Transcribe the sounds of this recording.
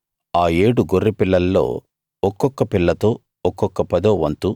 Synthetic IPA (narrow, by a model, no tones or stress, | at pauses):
aːe̞ːɽuɡorːipilːɐlːo̞̰ː | ɔkːɔkːɐpilːɐt̪o̞ː | ɔkːɔkːɐpɐd̪oːʋɐnt̪u